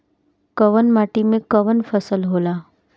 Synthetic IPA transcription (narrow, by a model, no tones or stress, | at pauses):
kəʋənmaːʈimẽkəʋənfəsəlɦoːlaː